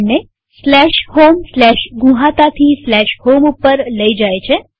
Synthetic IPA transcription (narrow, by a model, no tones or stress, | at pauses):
nːe | slɛʃhomslɛʃɡũɦãt̪at̪ʰislɛʃhomupːəɾləid͡ʒajt͡ʃʰe